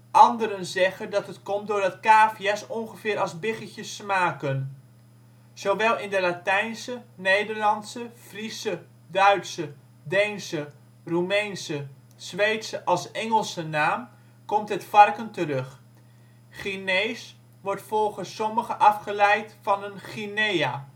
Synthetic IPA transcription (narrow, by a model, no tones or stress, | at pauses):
ʔɑndəɾənzɛχəndɑtətkɔmtdʊːɹdɑtkaːfjɛsɔŋχəvɪːɾɑlˠzbɪχəcəsmaːkən | z̥owʋɛlˠɪndəlatɛjnsənejdərlɑntsəfrisə | dœɥtsə | dɛjnsə | rumejnsə | sʋejtsəʔɑlˠsɛŋəlˠsənaːm | kɔmtɦətfɑrkəntərɵχ | χinejs | ʋɔɹtfɔlˠχəsːɔməχəʔɑfχəlɛjtfɑnənχineja